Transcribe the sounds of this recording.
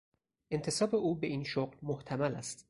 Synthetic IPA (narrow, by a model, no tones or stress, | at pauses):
ʔe̞nt̪ʰe̞sɒːbe̞ʔuːbe̞iːnʃoɢlmoht̪ʰæmælæ̰st̪